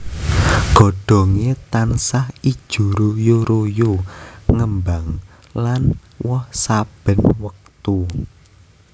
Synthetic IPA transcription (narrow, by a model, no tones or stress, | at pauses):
ɡ̥ɔ̤ɖ̥ɔ̤ŋet̪ansahid̥ʒ̥ṳɾojoɾojoŋəmbaŋ | lan | wɔhsab̥ə̤nwək̚t̪u